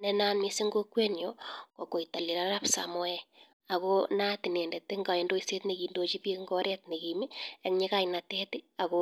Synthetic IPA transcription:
nɛna˦nmi˦si˦ŋɡo˦kwe˦njoko˨ko˨ita˨li˨ɾaɾa˦psa̰mɔ˦ɛ | a˨kona˦ti˨ne˨ndɛ˨tːe˦ŋɡa˨je˨ndo˦ise˦tne˨ki˨ndo˦t͡ʃi˦pe˦ŋɡɔ˦ɾʔɛ˦tne˨ki˨miekɲe˦ka˦inatɛtia˨ko

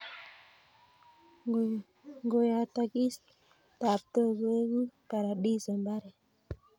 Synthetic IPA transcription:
ŋɡo˨ja˨ta˨ki˦s | ta˨p̚tə˦ɡə˦ɡi˦pa˨ɾa˨ɗi˦sə˨mba˦ɾe˨

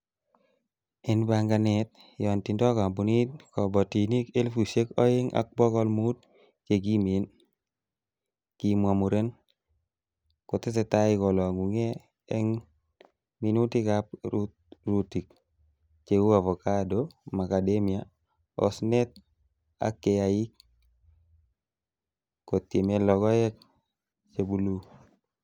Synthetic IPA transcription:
ɛnbaŋɡa˨nɛt̪̚ | jɔ˨nti˨ndɔ˦ka˨mbu˨ni˦t̚kɔ˨bɔ˨ti˨ni˦ke˦lfu˨se˦kɔ˦e˦ŋa̰˨k̚bɔ˦kɔ˦lmu˦t̚ | t͡ʃe˨ɡi˦mi˨n | ki˨mwa˨mu˨ɾe˦n | kɔ˨tɪ˦t̬ɛ˨ta˦ɪ˦kɔ˨lɔ˨ŋu˨ŋe˦ | ɛŋ | mi˨nu˦tikapɾu | ruti˨k | t͡ʃeku˦ka˨vɔ˨kadoma˨kademi˨a | ɔ̰snɛ˦t̚ | a̰kːejaji˦k̚ | ko˨tje˨me˦lɔɡɔ˦jɛ˦k̚ | t͡ʃebu˦lu˦

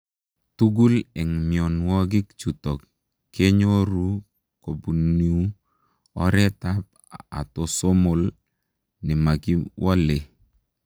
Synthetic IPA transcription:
tu˦ɡu˦lɛ˨ŋmi˨o˨nwɔ˦ɡɪ˦kt͡ʃu˨tɔ˨kː | e˦ɲo˦ɾu˦ | ko˨bu˨ni˨u˦ | ɔ̰˦ɾɛ˦ta˦p̚ | a̰˨to˨so˦mo˨l | nɪ˨ma˨ki˦wɔ˦le˨

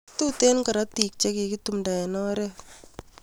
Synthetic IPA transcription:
tu˦te˦nkɐ˨ɾa˦tik̚t͡ʃe˦ki˨ki˦tu˨mda˨ɛ˨nɔ˦ɾe˦

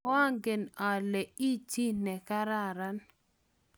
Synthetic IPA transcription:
ɔ˦a˦ŋɡe˨na˨lɛ˨i˦t͡ʃi˦nɛ˨ka˦ɾa˦˨ɾa˦n

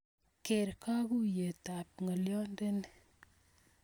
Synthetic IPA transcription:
ke˨ɾka˦ɡu˦je˨ta˨p̚ŋɐ˨ljɔ˦nde˦ni

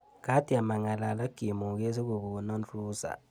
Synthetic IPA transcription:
ka˦ti˨a˨ma˨ŋa˨la˨la˦ɡ̥ʱi˨mu˨ke˦zi˦ku˨βu˨nɔ˦n˦uː˦za̰˨

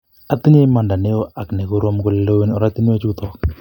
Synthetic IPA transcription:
a˨tɪ˦ɲe˦ma˨nda˨ne˦o˦ʔa˨kne˨ko˦ɾo˦mkʊ˦llo˦wi˦nɔ˦ɾa˦ti˦ne˦o˦t͡ʃu˦ktɔ˦k̚

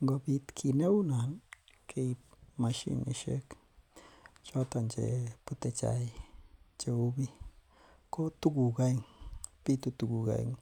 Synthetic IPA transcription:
ŋɡo˧bi˧t̪kʰi˧˨ne˦wna˨nkʰe˧jma˧ʃḭ˦nḭ˧˨ʃḛ˦k | t͡ʃo˦t̪a˧˨nd͡ʒḛ˨pɨ˧˦t̪e˧t͡ʃa̰˨j | d͡ʒe˨u˧bi˦ | ko˦t̪u˦ɡu˨ɡa˧jŋpi˦t̪u˧t̪u˨ɡu˨ɡa̰˧˨jŋ

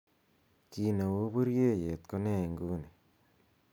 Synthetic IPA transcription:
ki˨ne˨wo˦bo˦ɾje˦je˨t̪̚ko˦ne˦˨ŋɡuː˦ne˨

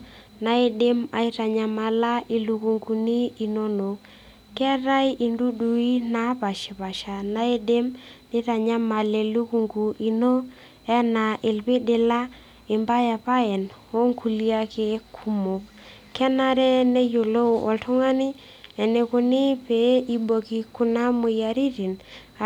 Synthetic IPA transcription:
na˨˦e˨de˦ma̰˨i˦ta˨ɲa˨ma˨la˦i˨lu˨ku˨ŋɡu˨ni˦i˨no˦no˨ | kɛ˦ɾa˦ji˨ndu˦du˨i˦na˦pa˨ʃɪ˨pa˨ʃa˨na˦e˦de˦mnɪ˦ta˨ɲa˦ma˨le˨lu˦ku˨ŋɡu˨ʔi˨no˦ | ɛ˦na˨ʔe˨lpe˦de˨la˦ | i˨mba˦ja˨pa˦ɛ˨no˦ŋkʰu˨li˦a˦ke˨˦kʰu˦mo˨k | kːɛ˦na˦ɾɛ˦ne˦jo˨lo˦˨ɔ̰˨ltu˦ŋa˦ni˦ | ɛ˨ne˨ku˨ni˦pe˨˦i˦bo˨ki˨ku˦na˦mu˨ja˨ɾi˦ti˨n

